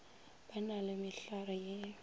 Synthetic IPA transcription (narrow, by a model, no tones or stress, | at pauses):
b̥analɪmɪɬarɔje